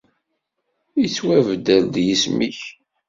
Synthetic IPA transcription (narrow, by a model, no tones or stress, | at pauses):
it͡sːwævd̪æld̪jismiç